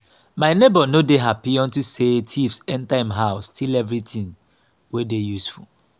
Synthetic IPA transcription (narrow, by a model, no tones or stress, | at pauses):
maɪnebɔnodeɦapiɔ̃ntusetʰifsɛ̃ntaĩmɦaʊstʰilɛvɹitĩŋ | wedejusfṵl